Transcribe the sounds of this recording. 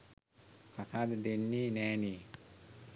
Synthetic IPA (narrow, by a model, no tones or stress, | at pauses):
kʰat̪ʰaːd̪əd̪enːiːnɛːniː